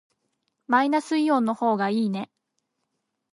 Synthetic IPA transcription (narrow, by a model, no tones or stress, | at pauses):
mainasɨijõ̞ːnːo̞ho̞ːɡaiːne̞